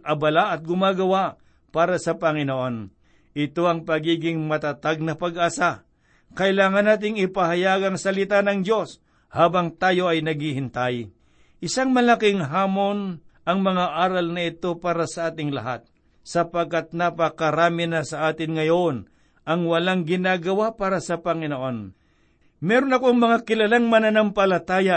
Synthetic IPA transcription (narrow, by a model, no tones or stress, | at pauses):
ʔɐbɐlaʔɐt̪̚ɡʊmaːɡɐwa | paːɾɐsɐpɐŋɪnoʔon | ʔɪt̪o̞ʔɐŋpɐɡiːɡɪŋmɐt̪at̪aɡ̚nɐpɐɡasa | kɐʔɪlaːŋɐnːaːt̪̬ɪŋɪpɐhɐjaːɡɐŋsɐlɪt̪anɐŋd̪jo̞s | haːbɐŋt̪aːjo̞ɐjnɐɡhɪɦɪnt̪aj | ʔɪsaŋmɐlakɪŋɦaːmo̞nʔɐŋmɐŋaʔaːɾɐlnɐɪt̪o̞paːɾɐsɐʔaːt̪ɪŋlɐ̰ɦat̪̚ | sɐpɐɡ̚kat̪̚nɐpɐkɐɾaːmɪnɐsɐʔaːt̪ɪnŋɐjon | ʔɐŋwɐlaŋɡɪnaːɡɐwapaːɾɐsɐpɐŋɪnoʔo̞n | mɛːɾonɐkoŋmɐŋakɪlɐlaŋmɐnanampɐlɐt̪aːja